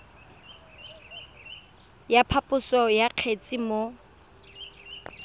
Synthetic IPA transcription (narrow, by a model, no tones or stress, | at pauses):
japʰapʼʊsɔjaq͡χʰet͡sʼɪmo